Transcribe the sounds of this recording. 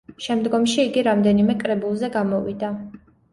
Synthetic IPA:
ʃɛmd̪ɡɔmʃiːɡiɾamd̪ɛnimɛkʼɾɛbulˠzɛɡamɔvḭd̪a

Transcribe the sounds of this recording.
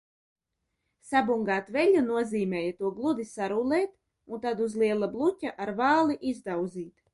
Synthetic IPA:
sabuŋɡaːt̪vɛʎʲunuɔziːmʲɛːjat̪uɔɡlˠud̪isaɾulɛːt̪ | unt̪ad̪uzlˠiɛlˠablˠutʲaʔaɾvaːlˠiʔizd̪awd̪ziːt̪

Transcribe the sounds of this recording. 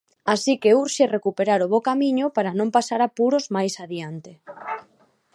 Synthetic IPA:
asikeuɾʃerekupeɾaɾoβ̞okamiɲʊpaɾanõmpasaɾapuɾozmajsaðiant̪e

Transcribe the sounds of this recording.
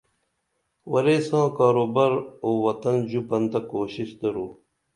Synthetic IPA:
wɐɾeːsãːkaːɾoːbɐɾoːwɐt̪ɐnd͡ʑupɐnt̪ɐkoːɕisd̪ɐɾuː

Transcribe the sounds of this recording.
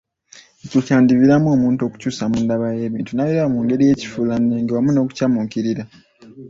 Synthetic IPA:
ecocaːndiβiɾamuo̞ːmuːntuo̞ku̥cuːsamundaβaje̞ːβiːntunaβiɾaβamuːŋɡe̞ɾije̞ːci̥fulanːeːŋɡewamuno̞ːku̥camukiɾiɾa

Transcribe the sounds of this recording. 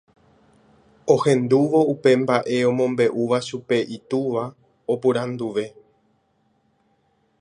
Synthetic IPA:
o̞hẽ̞nd̪uʋo̞upe̞mbaʔe̞õ̞mõ̞mbe̞ʔuʋaʃupe̞ʔit̪uʋa | opuɾãnd̪uʋe̞

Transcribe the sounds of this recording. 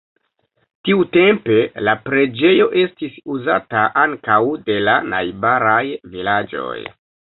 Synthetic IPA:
tiute̞mpe̞lapɾe̞d͡ʒe̞jo̞ʔe̞stisuza̰taʔaŋkawde̞lana̰jbaɾajvilad͡ʒo̞̰j

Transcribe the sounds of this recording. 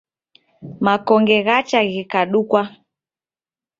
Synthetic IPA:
makɔŋɡɛɣat͡ʃaɣikaɗukwa

